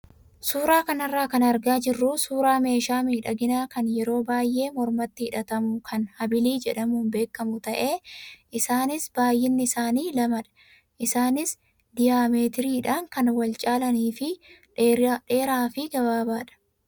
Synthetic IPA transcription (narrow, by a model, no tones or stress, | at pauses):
suːɾaːkɐnɐrːaːkɐnɐɾɡaːd͡ʒɪrːʊsuːɾaːme̞ːʃaːmiːᶑɐɡɪnaːkɐnjɛɾo̞ːbaːjːʔe̞ːmɔɾmɐt̪ːɪɪᶑɐt̪ɐmʊkʰɐnhɐbɪliːd͡ʒɛᶑɐmuːnbe̞ːkːɐmʊt̪ɐʔe̞ːʔɪsaːnɪsbaːjːɪnːɪɪsaːniːlɐmɐᶑɐ̥ | ʔɪsaːnɪs | d̪ɪjaːmeːt̪ɪɾiːᶑaːŋkɐnwɐlt͡ʃʼaːlɐniːfɪ | ᶑe̞ːɾaːfɪɡɐbaːbaːᶑɐ̥